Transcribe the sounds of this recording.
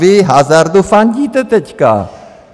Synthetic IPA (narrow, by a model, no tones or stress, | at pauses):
ʋeɦaːzaɾd̪ufand͡ʒiːt̪ət̪ət͡ʃʰka̰ː